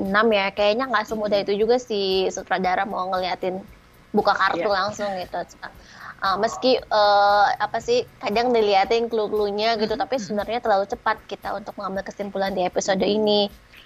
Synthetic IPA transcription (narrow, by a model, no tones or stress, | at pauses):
ənamjakajaɲaŋɡasumudait̪ud͡ʒuɡasisut̪ɾadaɾahmaŋəliɦat̪ɪn | bukakart̪ulaŋsʊŋɡit̪usu̥aəməskiəːapasɪhkadaŋdiliɦat̪ɪnklukluɲaɡit̪ut̪apisəbənərɲat̪ərlalut͡ʃəpat̪̚kit̪aunt̪ʊk̚məŋambɪlkəst̪impulandiepisodoini